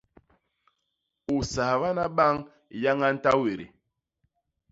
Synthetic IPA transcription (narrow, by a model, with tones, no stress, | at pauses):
u˨sa˨βa˦na˦ɓa˦ŋ | ja˦ŋa˦n̩˦ta˦we˨ɾḭ˨